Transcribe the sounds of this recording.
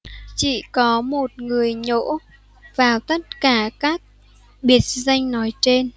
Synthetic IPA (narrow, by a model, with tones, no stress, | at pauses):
t͡ɕḭ˧˨kɔ˨˦mo˨˩t̚ŋɨ˨˩əjɲo̰˧˥ | vaː˨˩wt̪ə˦˥t̚kaː˧˩kaː˦˥k̚ | ɓi˦ət̚za˧jŋ̟nɔ˨˦jt͡ɕe˧n